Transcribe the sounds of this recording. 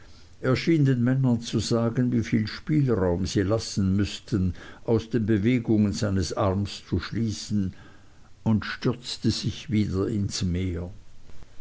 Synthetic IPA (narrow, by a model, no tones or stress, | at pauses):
ʔeːɐʃiːndeːnmɛnɐnt͡suzaːɡənviːfiːlʃpiːlʁaʊmziːlasn̩mʏstʰənʔaʊsd̥eːnbəveːɡʊŋənzaɪnəsʔaʁmst͡suʃliːsn̩ | ʊntʃtʏʁt͡stəz̥ɪçviːdɐɪnsmeːɐ